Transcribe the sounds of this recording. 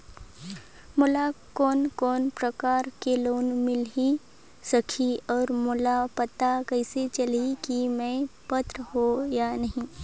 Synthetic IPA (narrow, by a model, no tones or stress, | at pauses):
mʊlakɔːnkɔːnpɾəkaːɾkeloːnmɪli | sɐkʰiɔːɾmʊlapɐt̪akɐɪset͡ʃɐlikimɛ̃pət̪ɾɦojanɐɦĩː